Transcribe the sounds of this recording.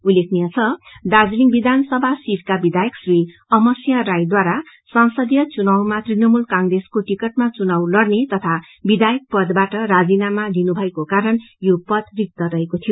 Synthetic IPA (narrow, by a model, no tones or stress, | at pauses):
ulːekʰnijat͡sʰʌɖ̪ad͡zliŋbid̪ʱansʌbʱasiɾkabid̪ajʌksri | ʌmʌsjʌɾajd̪waɾa | sansʌd̪jʌt͡sunawmat̪rinʌmulkãŋreskoʈikʌʈ̚mat͡sunawlʌrnet̪ʌt̪ʰa | bid̪ajʌk̚pʌd̪baʈʌɾad͡zinamalinubʱʌekokaɾʌnjopʌd̪rik̚t̪ʌɾʌɦekot̪ʰijo